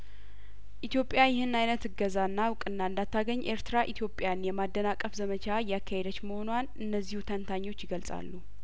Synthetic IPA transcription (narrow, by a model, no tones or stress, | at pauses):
ʔit̪ʰjo̞pʼjajɪhɨnnajnət̪ɨɡəzanːawʊkʼɨnːaɨnd̪at̪ʰːaɡəɲːʔeɾt̪ʰɨɾaʔit̪ʰjo̞pʼjanjɛmad̪ːənakʼːəfzəmət͡ʃʰajakʰːahed̪ət͡ʃːməho̞nwanʔɨnːəzːihut̪ʰənt̪ʰaɲːo̞t͡ʃːɪɡəlsʼa̰lːu